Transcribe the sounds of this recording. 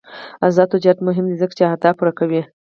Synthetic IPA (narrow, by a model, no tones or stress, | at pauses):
azɑd̪od͡ʒɑd̪mʊɦɪmd̪izəkt͡ʃeat̪ɑpuɾakawi